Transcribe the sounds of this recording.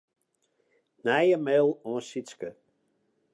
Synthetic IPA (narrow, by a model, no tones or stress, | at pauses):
najəmɛlˠɔ̃ːsiskə